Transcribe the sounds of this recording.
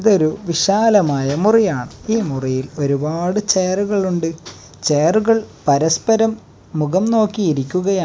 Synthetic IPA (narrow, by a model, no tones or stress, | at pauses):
iðo̞ɾuʋiɕaːlɐmaːjɐmurijaːɳɨiːmurijilo̞ɾubaːɽɨt͡ɕeːruɣɐɭuɳɖɨ | t͡ɕeːruɣɐɭpɐɾɐspɐɾɐmː | uɣɐmno̞ːkːijiɾikʲːuɣɐjaː